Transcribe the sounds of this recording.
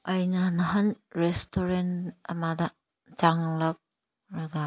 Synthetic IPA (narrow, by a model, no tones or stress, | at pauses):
ɐjnɐnɐɦɐnɾestoɾenɐmadɐ | d͡ʒaŋlɐk̚ | ɾɐɡa